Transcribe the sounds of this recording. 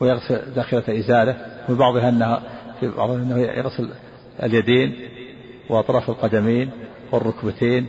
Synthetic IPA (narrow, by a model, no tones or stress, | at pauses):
wjɪɣsɪld̪aʔxiːɾaʔɪzaːlamibɑʕðˤɪɦaʔɪnːahafibɑ̰ʕðˤʔɪnːahjɪ̰ɣsɪl | ɪ̰ljad̪eːn | wʔɑt̪ˤɾˤɑːfɪlqɑd̪amiːn | wɪrˤːʊkbat̪ʰiːn